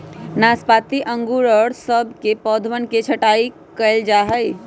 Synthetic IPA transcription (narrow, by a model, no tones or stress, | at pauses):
naːspaːt̪iʔə̃ŋɡuɾəɽsəbkepɔːd̪ʱʋənket͡ʃʰəʈaːi | kəld͡ʒaːɦəi